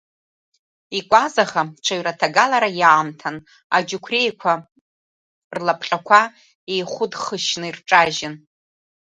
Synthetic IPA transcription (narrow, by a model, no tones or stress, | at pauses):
ikʷʼazaχat͡ʃʷʰaɥɾatʰaɡalaɾajaːmtʰan | a̰d͡ʒukʷʰrejkʷʰa | rlapʰʼχʲʼakʷʰa | ejχʷʊdχəʃnɨirʈ͡ʂʼaʒɪn